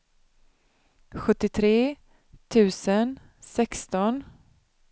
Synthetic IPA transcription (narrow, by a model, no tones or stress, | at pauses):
ɧɵt̪ːɪt̪ʰɾeː | t̪ʰʉ̟ːsən | sɛkst̪ɔn